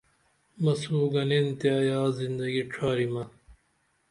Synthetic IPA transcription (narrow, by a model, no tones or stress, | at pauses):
mɐsuːɡɐnent̪eɐjaːzind̪ɐɡiʈ͡ʂʰaːɾimɐ